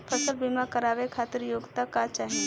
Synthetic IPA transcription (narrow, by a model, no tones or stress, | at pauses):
pʰəsəlbimakəɾaːʋekʰaːt̪ɪɾjoːɡt̪akat͡ʃaːɦi